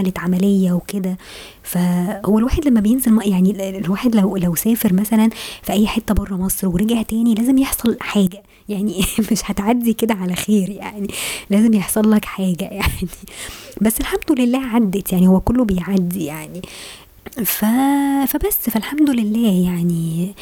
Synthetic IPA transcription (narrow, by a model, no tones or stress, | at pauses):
ælæt̪ʕamælejːæweked̪æ | fæhowːælwaːħed̪læmːæbejenzelmɑʔjaʕnilwaːħed̪læwlæwsæːfeɾmæsælænfiʔæjːħet̪ːæbɑrˤːɑmɑsˤɾweɾeɡaht̪æːnilæːzemjeħsˤɑlħaːɡæ | jaʕnimeʃhæt̪ʕad̪ːiked̪æʕalæxeːɾja̰ʕnilæːzemjeħsˤɑlːækħaːɡæjaʕnibæsːelħamd̪olelːæːʕad̪ːet̪jaʕnihowːækolːobejʕad̪ːijaʕni | fæfæbæsːfælħamd̪olelːæːjaʕni